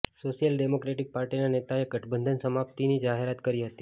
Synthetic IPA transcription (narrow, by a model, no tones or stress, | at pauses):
soʃijəlɖemokɾeʈik̚paɾʈinanet̪aeɡəʈʰbənd̪ʱənsəmapt̪inid͡ʒaɦeɾat̪kəɾiɦət̪i